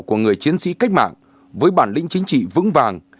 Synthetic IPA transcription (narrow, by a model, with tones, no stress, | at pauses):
ku˧˩əŋɨ˨˩əjt͡ɕi˨˦ənsḭ˧˥ka˦˥jk̚ma̰ː˧˨ŋ | vəː˨˦jɓaː˧˩nlḭ̈˧˥ŋ̟t͡ɕï˨˦ŋ̟t͡ɕḭ˧˨vɨ̰˧˥ŋvaː˨˩ŋ